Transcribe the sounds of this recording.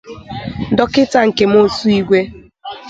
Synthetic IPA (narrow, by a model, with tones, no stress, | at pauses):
dɔ˦kɪ˦ta˨ŋ̩˨ke˨m̩˦o˦su˦i˦ɡʷe˦